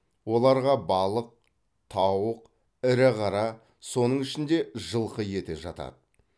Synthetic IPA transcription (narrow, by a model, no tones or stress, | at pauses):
wo̞lˠɑɾʁɑbɑlˠəq̚ | t̪ʰɑwəq | ɪɾɪʁɑɾɑ | so̞nəɴɪʃɪnd̪e̞ʒəlˠqəje̞t̪ɪʒɑ̰t̪ɑ̰d̪ə